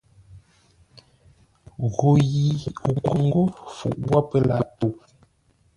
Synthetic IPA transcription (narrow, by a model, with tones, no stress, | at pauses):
ɣo˨ji˨u˨ko˨ŋ˦ɡo˦fṵ˨ʔbwa˦pə˦la˨˦to˨